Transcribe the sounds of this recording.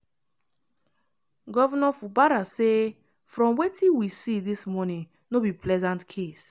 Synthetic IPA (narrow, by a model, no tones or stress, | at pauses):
ɡɔvɔnɔfubaɾase | fɾɔ̃mwetĩnwisidismɔnĩŋ | nobipʰlɛzãntkʰes